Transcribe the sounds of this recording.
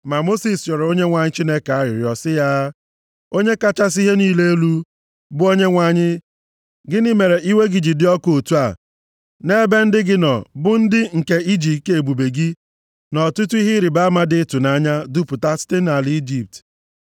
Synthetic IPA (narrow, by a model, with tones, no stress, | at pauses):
ma˨mo˦si˨sjɔ˨ɾo˦ɲe˦ŋʷa˨ɲɪ˦t͡ʃi˦ne˦ka˦ɾɪ̰˨ɾjɔ˨sɪ˦ja˦ | o˦ɲe˦ka˦t͡ʃa˦s̬i˦ɦe˦niː˦le˦e˦lu˦ | bʊ˦o˦ɲe˦ŋʷa˨ɲɪ˦ | ɡɪ˦nɪ˦me˨ɾe˨ʔi˦we˦ɡi˨d͡ʒi˨dɪ˦ɔ˦ko˨tu˦a˨ | ne˦be˦n̩˦dɪ˦ɡɪ˦nɔ̰˨bʊ˦n̩˦dɪ˦ŋ̩˨ke˦i˦d͡ʒi˨te˨bu˨be˨ɡi˦ | nɔ˨tu˦tu˦i˦ɦɪ˦ɾi˨ba˦a˦ma˦dɪ˦tu˨na˦ɲa˦dʊ˦pʊ˨ta˦si̥˦te˦na˨lɪ˦i˦d͡ʒi˨p̚t